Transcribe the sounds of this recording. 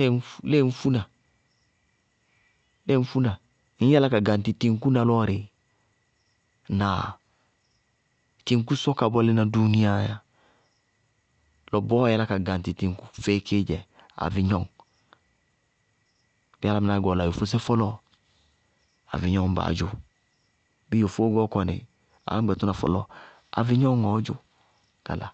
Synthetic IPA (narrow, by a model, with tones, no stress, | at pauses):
e˦˨n˦le˦˨n̩˦fu˦na˨ | le˦˨n̩˦fu˦na˨ | i˦a˦la˦ka˨ɡa˨n˨ti˨ti˨˧ŋ˦ku˦na˨lɔ˦˨ɾe˨ | na˨ | ti˨˧ŋ˦ku˦sɔ˦ka˨bɔ˦le˦na˨du˦ni˦a˦ja˨ | lɔ˨bɔ˦ɛ˦la˦ka˨ɡã˨n˨ti˨ti˨ŋ˦ku̥˦fe˦kʰe˦d͡ʒɛ˨ | a̰˨vi˧ɲɔ˦ŋ | b̥i˦a˦la˦mɪ˧˨na˨˦ɡɔ˨la˨jo˨fo˦s̬ɛ˦fɔ˦lɔ˦ | a̰˨vi˨ɲɔ˦ŋ˦ba̰ː˨˦d͡ʒu˨ | bi˦o˨fo˦ɡɔ˦kɔ˨nḛ˨ | a̰˨˦ɛ˨tu˦na˨fɔ̰˨lɔ˦ | a̰˨vi˧ɲɔ˦ŋɔ˨˦d͡ʒʊ˦ | ka̰˨la̰˨